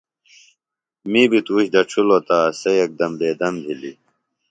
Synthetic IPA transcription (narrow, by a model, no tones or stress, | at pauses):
miːbit̪uːɕd̪ɐʈ͡ʂʰulot̪aːsɐjɐk̚d̪ɐmd̪eːd̪ɐmd̪ʱili